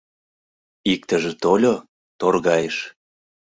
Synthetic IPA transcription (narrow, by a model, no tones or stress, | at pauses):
ik̚t̪ə̆ʒĕt̪olʲo | t̪orɣɑjeʃ